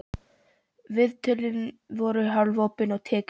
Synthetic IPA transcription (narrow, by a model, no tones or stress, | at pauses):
vɪðt̪ʰʏlɪn | vɔɾʏɦalvoːwpɪnɔɣt̪ʰɛːk